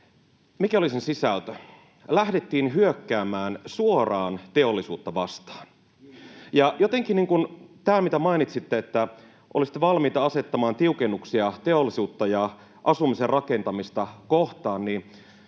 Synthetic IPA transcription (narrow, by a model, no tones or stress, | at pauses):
mikæolisinsisælt̪ø | læhdet̪ːiːnɦyøkːæːmæːnsuorɑːnt̪e̞o̞lːisuːt̪ːɑʋɑst̪ɑ̥ːn | jɑjot̪eŋkiniːŋkunt̪æːmit̪æmɑinit̪sit̪ːeet̪ːæ | ʔolisi̥t̪ːˑeʋɑlmiːt̪ɑɑse̞t̪ːɑmɑːnt̪iukenːuksiɑt̪e̞olːisuːt̪ːɑjɑ | ʔɑsumiserrɑke̞nt̪ɑmist̪ɑkoht̪ɑːnni